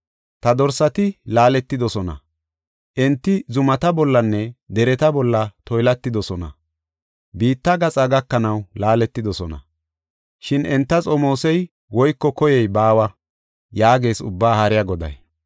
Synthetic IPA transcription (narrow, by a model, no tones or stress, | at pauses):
t̪ɐd̪ɔɾsɐt̪ɪlaːlɛt̪ːɪd̪ɔsɔnɐ̰ | ʔɛnt̪ːɪzʊmɐt̪ɐbɔlːɐnːɛd̪ɛɾɛt̪ɐbɔlːɐt̪ɔjlɐt̪ːɪd̪ɔsɔnɐ̰ | biːt̪ːɐɡɐt͡sʼɐɡɐkːɐnɐwlaːlɛt̪ːɪd̪ɔsɔnɐ̰ | ʃɪnɛnt̪ːɐt͡sʼɔmo̞ːsɛj | wɔjkːɔkɔjɛjbaːwɐ | jaːɡe̞ːsʊbːaːhɐɾɪjɐɡɔd̪ɐ̰j